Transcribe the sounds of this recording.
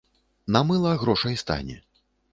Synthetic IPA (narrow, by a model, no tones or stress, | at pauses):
namɨlˠɐɣɾɔʂɐjst̪a̰nʲɛ̰